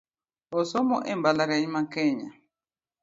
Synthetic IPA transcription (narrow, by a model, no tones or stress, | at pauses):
ɔsɔmɔʔɛmbalaɣaimakɛɲa̰